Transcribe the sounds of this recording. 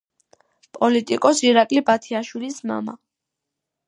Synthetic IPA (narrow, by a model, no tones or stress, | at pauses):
pʼɔlit̪ʼikʼɔsiɾakʼlibat̪ʰiaʃwilisma̰ma̰